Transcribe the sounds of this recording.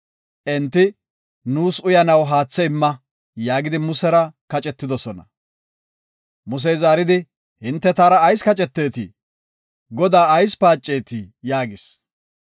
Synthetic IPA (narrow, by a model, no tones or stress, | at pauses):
ʔɛnt̪ːɪ | nuːsʊjɐnɐwɦaːt͡sːɛɪmːɐ | jaːɡɪd̪ɪmʊsɛɾɐkɐt͡ʃʼɛt̪ːɪd̪ɔsɔnɐ̰ | mʊs̬ɛjzaːɾɪd̪ɪ | hɪnt̪ːɛt̪aːɾɐːjskɐt͡ʃʼɛt̪ːe̞ːt̪ɪ | ɡɔd̪aːɐjspaːt͡ʃʼːe̞ːt̪ɪjaːɡɪs